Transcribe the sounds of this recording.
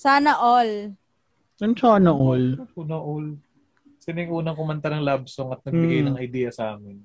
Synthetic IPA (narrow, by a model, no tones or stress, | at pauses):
saːnɐʔol | jɐnt͡ʃaːnɐʔolɐt͡ʃonɐʔol | sɪnɪŋʔuːnɐŋkʊmɐnt̪ɐnɐŋlab̚soŋɐt̪̚nɐɡ̚bɪɡɐjnɐŋʔɐjd̪ɛːjɐsʔaːmɪn